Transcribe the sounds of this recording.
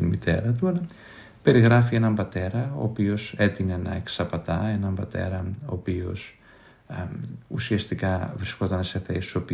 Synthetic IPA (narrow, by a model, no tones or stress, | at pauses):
inmit̪ʰe̞̰ɾɐt̪uɐlɐ | pe̞ɾiɣɾɐfienɐmbɐt̪e̞ɾɐo̞̰ːpio̞se̞t̪inenɐ̰eksɐpɐt̪ɐe̞nɐmbɐt̪e̞̰ɾɐo̞̰ːpio̞s | usiɐst̪ikɐvɾisko̞t̪ɐnse̞θesi̥sopi